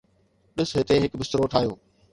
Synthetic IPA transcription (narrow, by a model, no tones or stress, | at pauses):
ɗɪsɦɪt̪eɦɪkbɪst̪ɾoʈʰaːijoː